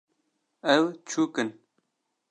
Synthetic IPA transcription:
əwt͡ɕʰuːkən

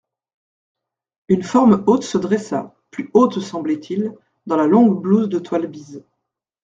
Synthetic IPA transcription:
ynfɔʁmot̪səd̪ʁɛsa̰ | plyot̪sɑ̃blɛt̪ʰil | d̪ɑ̃lalɔ̃ɡbluzd̪ət̪walbiz

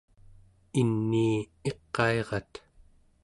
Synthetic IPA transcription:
inːiːe̞qːɑe̞ʁɑt̪

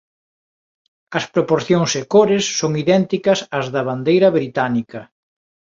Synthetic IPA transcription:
ɐspɾopoɾθjoŋsekoɾesːoŋiðɛnt̪ikɐsɐzðɐβand̪ejɾɐβɾit̪anikɐ

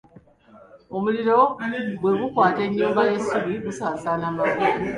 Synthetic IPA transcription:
omuliɾo̞bweɣukwaːte̞ɲːoːmbajesuβiɣusaːsaːnamaβu

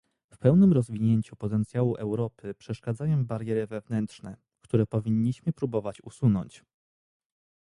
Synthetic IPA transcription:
fpɛwnɘmɾɔzvʲiɲeɲt͡ɕupɔt̪ɛnt̪sʲjawuʔɛwɾɔpɘpʂɛʂkad̪zajɔ̃w̃baɾjɛɾɘvɛvnɛnt̪ʂnɛ | kt̪uɾɛpɔvʲiɲːiɕmɘpɾubɔvat͡ɕusunɔɲt͡ɕ

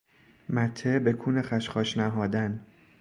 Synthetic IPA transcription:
mæt̪ʰːebe̞kʰuːnexæʃχɒːʃnæɦɒːd̪æn

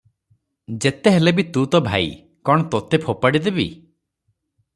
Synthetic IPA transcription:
d͡ʒet̪eɦelebit̪ut̪ɔbʱa̰ḭ | kɔɽ̃ɔt̪ot̪epʰopaɽid̪ebḭ

